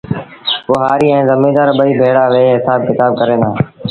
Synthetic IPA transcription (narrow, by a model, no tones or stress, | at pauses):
pʊɦaːɾiːɛ̃ːzəmĩːd̪aːɾɓəiːbʱeːɽaːʋeːɦɪsaːb̚kɪt̪aːb̚kəɾeːnãː